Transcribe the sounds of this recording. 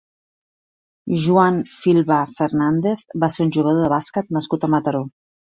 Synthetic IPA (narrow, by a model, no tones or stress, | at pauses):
ʒuanfilˠβafəɾnand̪eθbaseɾunʲʒuɣəðoðəβaskət̪nəskut̪əmət̪əɾo